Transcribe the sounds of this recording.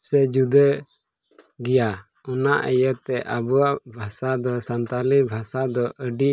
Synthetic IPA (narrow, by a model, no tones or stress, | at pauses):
sɛd͡ʒud̪ə | ɡija | ɔnaʔəjət̪ɛʔabuaʔbʱasad̪ɔsant̪alibʱasad̪ɔʔəɖi